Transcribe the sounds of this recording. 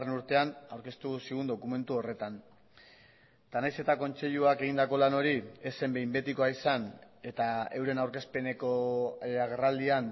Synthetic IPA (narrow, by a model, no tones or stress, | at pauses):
renuɾt̪e̞anawɾke̞st̪usiɣund̪okume̞nt̪uo̞re̞t̪an | t̪anajse̞t̪ako̞nt͡se̞ʎuake̞ɣind̪ako̞lano̞ɾie̞se̞mbe̞jmbe̞t̪ikoaisan | e̞t̪ae̞wɾe̞nawɾke̞spe̞ne̞ko̞aɣe̞rald̪ian